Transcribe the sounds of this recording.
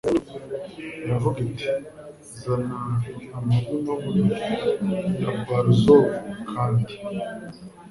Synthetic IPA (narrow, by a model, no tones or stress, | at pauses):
javuɡiti̥ | zanaːmakumamunu | javaɾuzokʰaːndi